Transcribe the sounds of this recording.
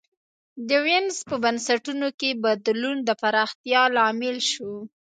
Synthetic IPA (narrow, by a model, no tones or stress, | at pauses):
d̪əwɪnzpəbansaʈunokebad̪lund̪əpaɾɑxt̪jɑlɑmɪlʃo